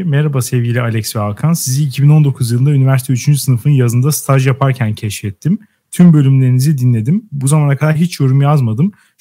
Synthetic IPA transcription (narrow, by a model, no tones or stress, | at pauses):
meɾabasɛvɟilʲialʲɛcsvɛalˠkʰansiziːcʰibino̞nd̪o̞kʰuzjɯlˠɯnd̪aynivæɾsit̪ʰyt͡ʃʰynd͡ʒysɯnɯfɯnjazɯnd̪ast̪ʰaʒjapʰaɾcʰæncʰɛʃfɛt̪ʰːim | t̪ʰymbølʲymlʲe̞ɾinizid̪inlʲe̞d̪imbuzamanakʰad̪aɾɦit͡ʃjo̞ɾumjazmad̪ɯm